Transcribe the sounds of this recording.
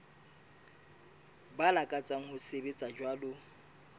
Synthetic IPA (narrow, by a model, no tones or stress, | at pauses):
balakʼat͡sʼaŋ̩hʊsebet͡sʼad͡ʒwalʊ